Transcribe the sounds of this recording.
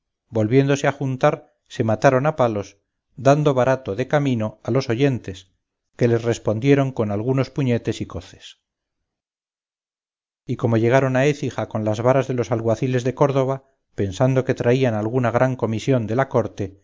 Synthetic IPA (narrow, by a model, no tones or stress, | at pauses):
bo̞lβje̞nd̪o̞seaxunt̪aɾ | se̞mat̪aɾo̞napalo̞s | d̪and̪o̞βaɾat̪o̞ðe̞kamino̞alo̞so̞ʝe̞nt̪e̞s | ke̞le̞sre̞spo̞nd̪je̞ɾo̞ŋko̞nalɣ̞uno̞spuɲe̞t̪e̞siko̞θe̥s | iko̞mo̞ʝe̞ɣ̞aɾo̞nae̞θixako̞nlazβaɾazðe̞lo̞salɣwaθile̞zðe̞ko̞ɾðo̞β̞a | pe̞nsand̪o̞ke̞t̪ɾaianalɣunaɣ̞ɾaŋko̞misjo̞nd̪e̞lako̞ɾt̪e̞